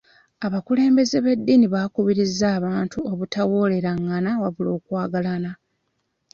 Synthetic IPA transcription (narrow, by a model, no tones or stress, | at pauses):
aβakule̞ːmbe̞ze̞βe̞dːiniβakuβiɾizːaːβaːntuo̞βutawo̞ːle̞ɾaŋːanawaβulo̞ːkwaːɡalana